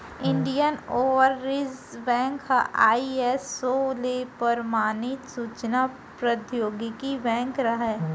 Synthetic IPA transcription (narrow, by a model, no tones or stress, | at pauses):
ɪ̃ɳɖijənoːʋəɾːɪzbɛ̃ːŋkɦaʔa̰ːiesːoːlepəɾmaːnɪt̪suːt͡ʃna | pɾəd̪joːɡɪkibɛ̃ːŋkɾɐɦɛ